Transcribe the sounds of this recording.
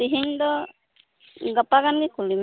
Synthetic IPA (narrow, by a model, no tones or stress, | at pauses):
iɦindɔ | ɡapaɡanɡikʰulim